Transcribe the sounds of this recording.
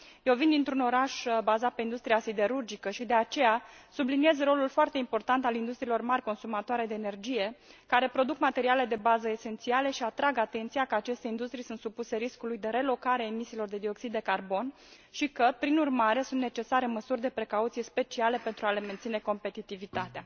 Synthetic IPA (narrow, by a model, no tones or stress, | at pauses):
jewvind̪int̪ɾuno̞ɾaʃbazat̪̚pe̞ind̪ust̪ɾijasid̪e̞ɾurd͡ʒikəʃid̪e̞at͡ʃe̞jasublinie̞zro̞lulfoart̪e̞impo̞rt̪ant̪alind̪ust̪ɾiːlo̞rmarʲko̞nsumat̪oaɾe̞d̪e̞ːne̞rd͡ʒije̞kaɾe̞pɾo̞d̪ukmat̪e̞ɾiale̞d̪e̞bazəese̞nt̪siale̞ʃiat̪ɾaɡat̪e̞nt̪sijakəat͡ʃe̞st̪eind̪ust̪ɾijsunt̪supuse̞ɾiskulujd̪e̞ɾe̞lo̞kaɾeaemisiːlo̞rd̪e̞d̪io̞ksid̪ːe̞karbo̞n | ʃikəpɾinurmaɾe̞sunt̪ne̞t͡ʃe̞saɾeməsurʲd̪e̞pɾe̞kaut̪sijspe̞t͡ʃiale̞pe̞nt̪ɾuale̞me̞nt̪sine̞ko̞mpe̞t̪it̪ivit̪at̪ea